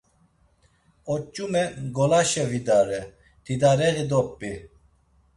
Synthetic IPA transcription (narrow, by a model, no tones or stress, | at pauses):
ɔt͡ʃʼːumɛɡɔlaʃɛvid̪aɾɛ | t̪ʰid̪aɾɛɣid̪ɔpːi